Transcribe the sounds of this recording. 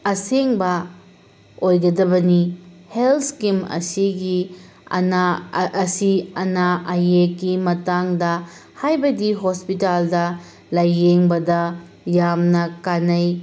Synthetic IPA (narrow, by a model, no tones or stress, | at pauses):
ɐseŋbɐ | ojɡɐdɐbɐnihelskimɐ̰siɡi | naːsiɐnaʔajekːimɐtaŋdɐ | hajbɐdiɦospitaldɐ | lajːeŋbɐdɐ | jamnɐkanɐj